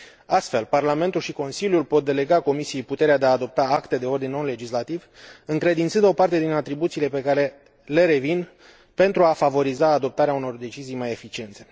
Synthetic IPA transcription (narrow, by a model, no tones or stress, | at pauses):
ast̪fe̞lparlame̞nt̪ulʃiko̞nsiljulpo̞t̪̚d̪e̞le̞ɡako̞misijejput̪e̞ɾead̪e̞aːd̪o̞p̚t̪aakt̪e̞d̪e̞o̞rd̪innːonle̞d͡ʒislat̪iv | ɨŋkɾe̞d̪int̪sɨnd̪o̞part̪e̞d̪inat̪ɾibut̪siːle̞pe̞kaɾe̞ | le̞ɾe̞vin | pe̞nt̪ɾuafavo̞ɾizaːd̪o̞p̚t̪aɾeauno̞rd̪e̞t͡ʃizijmaje̞fit͡ʃie̞nt̪se̞